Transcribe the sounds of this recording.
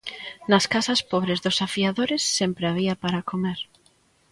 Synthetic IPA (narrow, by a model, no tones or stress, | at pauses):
nɐskasɐspoβɾezðʊsafiaðoɾɪsːempɾeaβ̞iɐpaɾakomeɾ